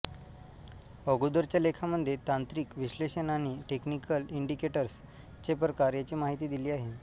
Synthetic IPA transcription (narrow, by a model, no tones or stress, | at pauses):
əɡud̪əɾt͡ɕjalekʰaməd̪ʱjet̪ant̪ɾiːkʋiɕleɕənañiːʈeknikəliɳɖikeʈəɾs | t͡ɕep̬ɾəkaɾjat͡ɕiːmaɦit̪iːd̪iliːaɦe